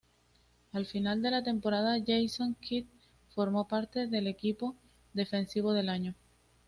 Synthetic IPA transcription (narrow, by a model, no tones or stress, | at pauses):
alfinald̪e̞lat̪e̞mpo̞ɾaðaʝejso̞ŋkit̪̚ | fo̞ɾmo̞paɾt̪e̞ðe̞le̞kipo̞ | ðe̞fe̞nsiβ̞o̞ð̞e̞laɲo